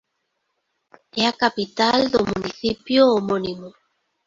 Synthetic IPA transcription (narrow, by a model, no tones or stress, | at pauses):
ɛakapit̪ald̪ʊmuniθipjoːmonimo